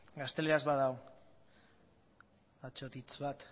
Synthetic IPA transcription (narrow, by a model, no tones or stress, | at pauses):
ɡast̪e̞leazβaðaw | at͡ʃot̪it͡sβat̪